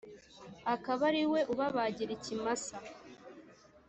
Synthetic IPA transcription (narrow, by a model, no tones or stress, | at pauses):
akaβaɾiwe̞ʔuβaβaːɟiɾicimasa